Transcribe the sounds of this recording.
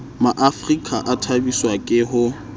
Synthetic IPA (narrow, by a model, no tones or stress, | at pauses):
maʔafrikʼaʔatʰabiswakʼɪɦʊ